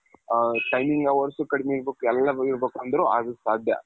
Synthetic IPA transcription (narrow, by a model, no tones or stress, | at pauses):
ʈɐjmiŋɡɐʋɐɾsukɐɽmeiɾbeːkuɛlːɐiɾbeːkuɐnd̪ɐɾuɐd̪usaːd̪ʱjɐ̰